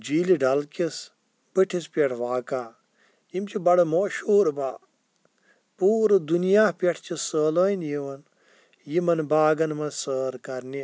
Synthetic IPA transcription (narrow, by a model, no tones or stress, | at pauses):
d͡ʒiːliɖɐlkis | b̥ɨʈʰispʲɐʈʰʋaːkaː | imt͡ʃʰibɐɽɐmoːʃoːɾba̰ː | puːɾd̪unijaːpʲɐʈʰt͡ʃʰisəːloinjiʋɐn | jimɐnbaːɡɐnmɐnsəːɾkɐɾni